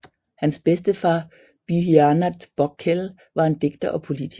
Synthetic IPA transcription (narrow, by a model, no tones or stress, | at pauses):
hænsb̥esd̥əfɑ̈ː | b̥yɦiænæ̥b̥ɒ̽ɡ̥̚ʰel | ʋɑ̈e̝nd̥e̝ɡ̥d̥ɐʔɒ̽pʰo̝lit͡sʰi